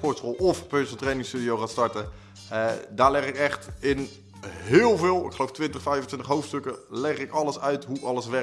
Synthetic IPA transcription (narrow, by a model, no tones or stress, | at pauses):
pɔɹtsrɔlˠɔfpøsəl̩ˠtrejnɪŋstydijowχaːntstɑɹtə | daːɹlɛχɪkɛχtɪn | ɦɪːlˠvɪːlˠɪ̰kχəlowftʋɪntəχfɛjvəntʋɪntəχɦowftstɵkəlɛχɪkɑləsœɥtɦuʔɑləsʋɛ